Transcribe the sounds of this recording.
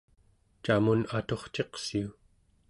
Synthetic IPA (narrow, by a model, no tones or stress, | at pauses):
t͡ʃamunat̪o̞χt͡ʃe̞qsiu